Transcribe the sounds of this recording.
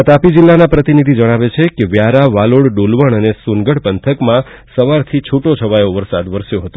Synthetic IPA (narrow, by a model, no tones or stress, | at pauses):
at̪apid͡ʒilːanapɾət̪inid̪ʱid͡ʒəɽ̃aʋet͡ʃʰekeʋjaɾaʋaloɽɖolʋəɳ̃ənesunɡəɽpənt̪ʰəkmãsəʋaɾt̪ʰit͡ʃʰuʈot͡ʃʰəʋajoʋəɾsad̪ʋəɾsjõɦət̪o